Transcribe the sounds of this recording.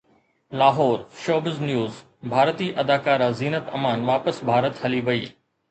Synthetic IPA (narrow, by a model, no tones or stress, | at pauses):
laːɦɔːɾʃoːbəznjuːz | bʱaːɾt̪iːʔɐd̪aːkaːɾaziːnət̪ɐ̰maːnʋaːpəsbʱaːɾət̪hɐliʋɐiː